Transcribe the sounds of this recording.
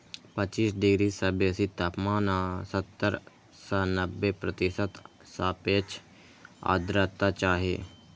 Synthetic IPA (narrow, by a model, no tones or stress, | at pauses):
pət͡ʃiːsɖɪɡɾisəbeːsit̪aːpmaːnasət̪ːəɾ | sanəbːepɾət̪ɪsət̪ | saːpeːt͡ʃʰ | a̰ːd̪ɾat̪ːat͡ʃaːɦḛː